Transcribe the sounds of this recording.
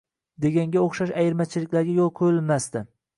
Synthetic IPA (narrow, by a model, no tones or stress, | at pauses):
d̪e̞ɡʲaŋɡʲaoχʃaʃajɪɾmat͡ʃʰɪlɪkʲlaɾɡʲajolˠqʰojɪlmast̪ɪ